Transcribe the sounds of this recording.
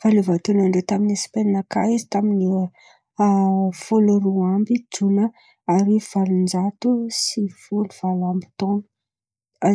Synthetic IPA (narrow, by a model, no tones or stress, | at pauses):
valuvat̪unaɳɖ͡ʐet̪aminisi̥peninakajzi̥t̪amini | foluɾuambid͡zunə | aɾiv̥alund͡zat̪usifuluv̥alambi̥t̪onu̥ | a